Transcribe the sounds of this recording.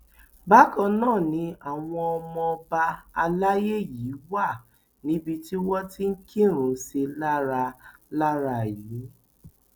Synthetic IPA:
ba˦kɔ̃˧nãː˦˨nĩ˧˦a˨w̃ɔ̃˧ɔ˧mɔ̃˧ba˧a˧la˦je˦ji˨˦wa˦˨ | nĩ˨˦bi˧ti˦wɔ˦ti˦ŋ̩˦kĩ˦˨ɾ̃ũ˨˦se˧la˦ɾa˧la˦ɾa˧˨jiː˨˦

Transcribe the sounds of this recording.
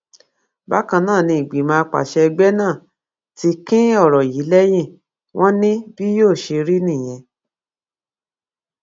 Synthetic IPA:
ba˦kã˧nãː˦˨nĩ˧i˨ɡ͡bi˨˦mã˦˧k͡pa̰˨ʃɛ˧ɡ͡bɛ˦nãː˦˨ | ti˧kĩ˦ɔ˦˨ɾɔ˨ji˨˦lɛ˦j̃ĩ˦˨ | w̃ʔɔ̃˦nĩ˦bi˦joː˦˨ʃe˧ɾi˦nĩ˦˨j̃ɛ̃˧

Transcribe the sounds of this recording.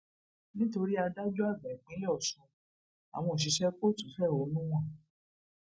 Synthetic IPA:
nĩ˦to˧ɾi˦a˧da˦d͡ʒu˦a˦˨ɡ͡bɛ̃˨ɡ͡bĩ˨˦ɔ˦˨sũ˨˧˦ | a̰˨w̃ɔ̃˧˨ʃ̬i˨˧˦ʃɛ˦k͡po˦˨tũ˨fɛ˦˨o˨˦nũ˦w̃ɔ̃˦˨

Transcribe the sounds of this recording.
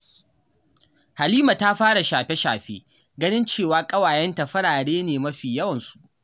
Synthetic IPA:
ha˨liː˦ma˨ta˦ɸaː˦ɽa˨ʃaː˨ɸe˦ʃaː˨ɸeː˦ | ɡɐ˦nɪ˦nt͡ʃeː˦˨waː˨˦kʼɐ˦waː˨jɛ˦nta˨ɸɐ˦ɽaː˨ɽeː˦neː˨mɐ˦ɸiː˨jɐ˦wɐ˨nsu̥˨ʔ

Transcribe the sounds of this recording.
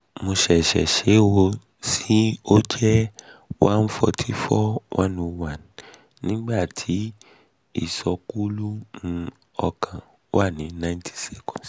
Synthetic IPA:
mo˧ʃɛ˨ʃɛ̰˨ʃe˨˦wo˧ | si˦o˦d͡ʒɛ˦wʔã˦n̩˦fɔ̰˧tʰi˦fɔ˦wʔã˦no˧wã˦˨nː | ĩ˦ɡ͡ba˦˨tʰi˨˦ | ḭ˦˨sɔ˧ku˦lu˦mũ˧ | ɔ˧kʰã˨ | wa˦˨nĩ˨˦nã˦j̃ntʰi̥˦sɛ˦kɔ̃˨s

